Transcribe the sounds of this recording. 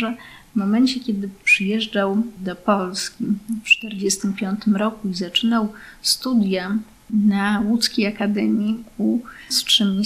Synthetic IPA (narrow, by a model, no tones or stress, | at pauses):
ʐɛ | vmɔmɛnt͡ɕɛkʲɛd̪ɘpʂɘjɛʐd͡ʐawd̪ɔpɔlskʲift͡ʂt̪ɛɾd͡ʑɛst̪ɘmpʲjɔnt̪ɘmɾɔkuizat͡ʂɘnawst̪ud̪ʲja | nawut̪skʲejakad̪ɛmʲjikustʂɘmʲɲi